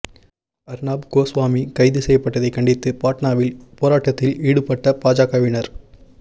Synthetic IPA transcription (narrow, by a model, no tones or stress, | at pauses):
ɐɾnaːbɡoːsʋaːmikɐɪðɯsɛjɐpːɐʈːɐðɐɪkɐɳɖɪt̪ːɯpaːʈnaːʋɪlpoːɾaːʈːɐt̪ːɪliːɽɯpːɐʈːɐpaːd͡ʒaːkɐʋɪnɐɾ